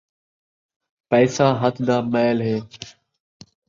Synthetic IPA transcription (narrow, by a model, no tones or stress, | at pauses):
pɛːsaːɦət̪ʰd̪aːmɛːlɦeː